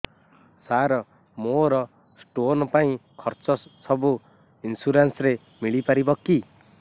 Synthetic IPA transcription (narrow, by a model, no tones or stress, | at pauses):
saɾɔ | moɾʌ | sʈonɔpaĩkʰʌɾt͡sɔsʌbu | insuɾansɾe | miɭipaɾibʌkːi